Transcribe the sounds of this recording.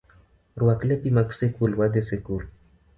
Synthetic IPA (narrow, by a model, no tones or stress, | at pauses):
ruwaklepimaksekulwad̪esekul